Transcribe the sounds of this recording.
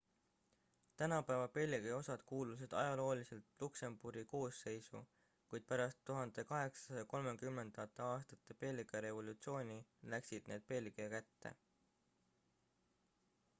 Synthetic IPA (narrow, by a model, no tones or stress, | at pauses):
t̪ænɑpæevɑpe̞lʲːiɡ̥eo̞sɑd̪̥kuːlus̬id̪̥ɑ̰jɑlo̞ːlise̞lt̪lukse̞mb̥uɾiko̞ːsːe̞jsṵ | kujd̪̚pæɾɑst̪ːuɦɑnd̪̥e̞kɑɦe̞ksɑ̥sɑjɑko̞lme̞kymːe̞nd̪̥ɑɑt̪ːˑeɑːst̪ɑt̪ːˑe̞pe̞lʲːiɡˑɑɾe̞vo̞lut̪sio̞ːnʲilæksid̪̥ne̞ːd̪̥̚pe̞lɡ̥iɑkæt̪ːe̞̰